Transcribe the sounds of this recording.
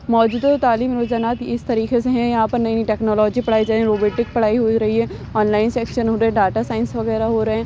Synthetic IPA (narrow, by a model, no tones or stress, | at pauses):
mɔːd͡ʒuːd̪at̪ot̪aːliːmɾoːzaːnaːt̪ɪst̪əɾiːxeseɦɛ̃jããːpəɾnəĩːnĩʈɛːknoːlɔːd͡ʒipəɽaːid͡ʒaːẽɾoːbeːʈɪk̚pəɽ̤aːiɦoiɾəɦiɦɛː | ɔːnlaːɪnsɛːkʃənɦoːɾɛ̃ɖaːʈaːsaːɪnsʋəɣɛːɾaɦoːɾəɦɛ̃ː